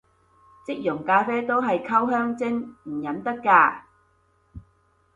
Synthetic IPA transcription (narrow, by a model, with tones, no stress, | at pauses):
t͡sɪ˥k̚jʊ˨˩ŋkaː˧fɛː˥t̪o˥wɦɐ˨jkʰɐ˥wɦœː˥ŋt͡sɪ˥ŋm̩˨˩jɐ˨˥nt̪ɐ˥kːaː˧